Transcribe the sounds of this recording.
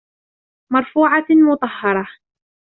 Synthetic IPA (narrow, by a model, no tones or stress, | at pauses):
mɑɾˤfuːʕɑmʊt̪ˤɑhːɑɾˤɑ